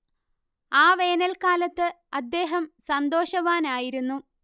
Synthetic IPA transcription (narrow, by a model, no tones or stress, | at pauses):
aːʋe̞ːnɐlkaːlɐt̪ːɨ | ɐd̪ːe̞ːɦɐmsɐnd̪o̞ːɕɐʋaːnaːjiɾunːu